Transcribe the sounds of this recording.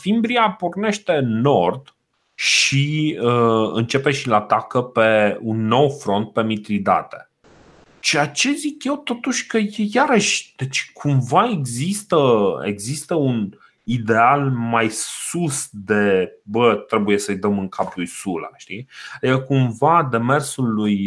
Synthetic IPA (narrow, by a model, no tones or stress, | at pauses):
fimbɾiaporne̞ʃt̪e̞no̞rd̪ | ʃiəɨ̰nt͡ʃe̞pe̞ʃilaat̪akəpe̞unːo̞wfɾo̞nt̪̚pe̞mit̪ɾid̪a̰t̪e̞̥̰ | t͡ʃeat͡ʃe̞zikje̞wt̪o̞t̪uʃʲkəjejaɾəʃʲd̪̥e̞t͡ʃkʰumvae̞ɡzist̪əḛɡzist̪əun | id̪e̞almajsusd̪e̞bət̪ɾe̞buje̞səjd̪əmɨŋkʰaplujsula̰ʃt̪ijəkumvad̪e̞me̞rsuluj